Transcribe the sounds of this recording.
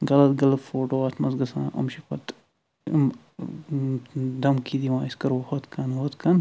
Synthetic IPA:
ɡɐlɐt̪ɡɐlɐt̪foːʈoːaːt̪ʰmɐsɡɐsã̰ːʔɐ̰mʃikɐ̰t̪ | m | d̪ɐmkid̪iʋãːiskɐɾohot̪kʰɐnhot̪kʰɐn

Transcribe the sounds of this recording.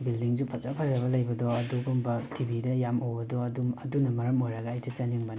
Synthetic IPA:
bildiŋzupʰɐt͡ʃapʰɐzɐβɐlɐjbɐdɔɐduɡumbɐtʰibidɐjamowbɐdɔɐduɐdunɐmɐɾɐmojɾɐɡɐːjtɐt͡ʃɐniŋbɐn

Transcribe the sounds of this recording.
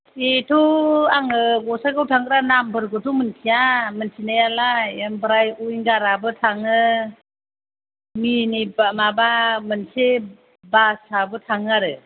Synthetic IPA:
etʰuaŋɯɡɔsaɡawtʰaŋɡɾanambɯɾɡɯtʰumɯntʰijamɯnsʰinajalaembɾajujnɡaɾabɯtʰaŋɯ | minibamabamɯnse | basabɯtʰaŋaɾɯ

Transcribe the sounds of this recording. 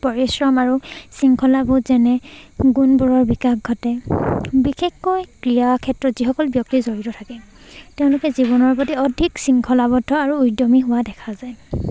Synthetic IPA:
pɔɹisɹɔmaɹusiŋkʰɔlabutzɛnɛɡunbuɹɔɹbikakɡʱɔtɛbixexkɔjkɹijakʰɛtɹɔtz̥ixɔkɔlbjɔk̚tizoɹitɔtʰakɛ | tɛʊ̃lʊkɛziβɔnɔɹpɔtiɔdʱiksiŋkʰɔlabɔdʱɔaɹuːjdɔmiɦʊwadɛkʰazaj

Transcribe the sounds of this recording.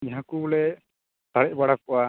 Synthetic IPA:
ɦãkubɔɭɛ | t̪aɽɛʔ̚baɽakɔwa

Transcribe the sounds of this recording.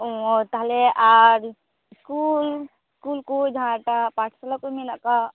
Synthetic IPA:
ot̪aɦleʔaɾ | skul | skuːlkod͡ʒãʈapaːt͡ʃʰsalakominaka

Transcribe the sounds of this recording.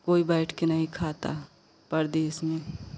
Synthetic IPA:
koːibɛːʈʰkenɐɦĩkʰaːt̪a̰ | pəɾd̪eːsmẽ

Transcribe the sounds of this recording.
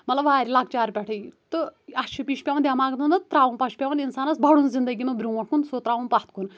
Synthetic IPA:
mɐt̪lɐbʋaːɾʲilakʰt͡ʃaːɾpʲɛʈʰəjt̪ɨɐʃʰupiʃpʲaʋɐnd̪jɐmaːɡt̪ʰɐnd̪ɐt̪ɾaːʋunpɐʃʰu̥pʲaʋɐninsaːnɐsbʱɐɽunzind̪əɡʲimɐbɾʲuːʋɐʈʰkʰunsot̪ɾaːʋunpɐht̪kun

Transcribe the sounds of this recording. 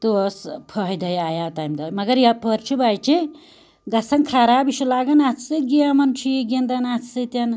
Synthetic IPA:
t̪uspʰəɦjd̪ɐjaːjaːt̪ajmd̪ɐmɐɡɐɾjapʰəɾt͡ʃʰubaːjt͡ʃʰe | ɡɐsɐŋkʰaɾaːbiʃulaːɡɐnat͡sʰsɨɡiamɐnt͡ʃʰiɡend̪ɐnat͡sʰɨt̪ʲɐn

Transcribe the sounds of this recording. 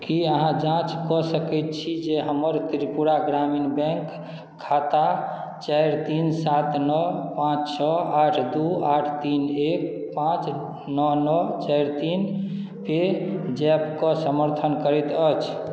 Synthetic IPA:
kiəɦãd͡ʒãt͡ʃkɔsəkɛt̪̚t͡ʃʰid͡ʒeɦəməɾt̪iɾipuɾaɡɾaminbɛ̃ŋkʰː | at̪a | t͡ʃajɾt̪insat̪nɔpãt͡ʃt͡ʃʰɔaʈʰd̪uaʈʰt̪inek̚ | pãt͡ʃ | nɔnɔt͡ʃajɾt̪in | pʰed͡ʒɛpkɔsəməɾt̪ʰənkəɾɛt̪ət͡ʃʰ

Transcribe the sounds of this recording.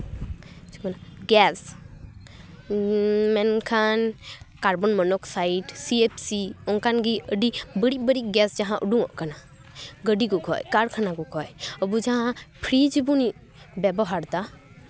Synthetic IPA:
t͡ʃʰimɔnaɡɛs | mɛnkʰankaɾbɔnmənɔksaiʈsiepʰsiɔnkanɡiʔəɖibəɽibəɽiɡɛsd͡ʒaɦãʔuɖũɔʔkana | ɡəɖikukʰɔ̰jkaɽkʰanakukʰɔjəbud͡ʒaɦãpʰɾid͡ʒbuni | bɛbɔɦaɾt̪a

